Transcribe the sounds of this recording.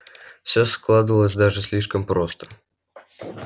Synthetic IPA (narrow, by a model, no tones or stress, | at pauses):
fsʲosklˠad̪əvəlˠəsʲd̪aʐɨsʲlʲiʂkəmpɾo̞st̪ə̥